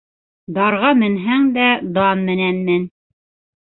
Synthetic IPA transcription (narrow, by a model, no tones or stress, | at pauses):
d̪ɑɾʁɑmɘ̆nɦæŋd̪æd̪ɑnmɘ̆nænmɘn